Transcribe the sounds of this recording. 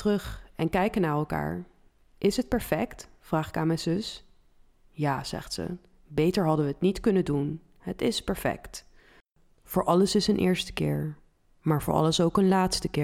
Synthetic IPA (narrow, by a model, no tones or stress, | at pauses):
trɵχʔɛnkɛjkənaːɹɛlˠka̰ːɹ | ʔɪsɦət̚pɛɹfɛktfraːχɪkaːnmɛjnzʏs | jaːz̥ɛ̰χtsə̰ | bejtəɹɦɑdəʋəətnitkɵnədun | hətɪspɛɹfɛ̰kt | v̥ʊːɹʔɑləsɪsənʔɪ̰ːɹstə̥kɪːɹ | maːɹvʊ̰ːɹʔɑ̰ləsowkənlaːtstəkɪː